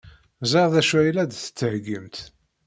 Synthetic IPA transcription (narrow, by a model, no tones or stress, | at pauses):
zɑʁˤðæʃæjlæd̪θə̥t͡sːəhɡəmt̪